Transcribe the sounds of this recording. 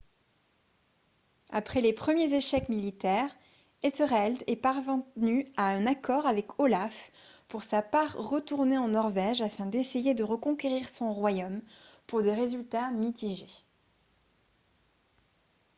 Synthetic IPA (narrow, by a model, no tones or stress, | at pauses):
a̰pχɛlepχəmjezeʃɛkmilit̪ɛʁ | ɛtəʁɛld̪ɛpaʁvɑ̃nyaɛ̃nakɔʁavɛkʰɔlafpuʁsapaʁːət̪uʁneɑ̃nɔʁvɛʒafɛ̃d̪esejed̪əʁəkɔ̃kʲeʁiʁsɔ̃ʁwajompuʁd̪eʁezylt̪amit̪iʒe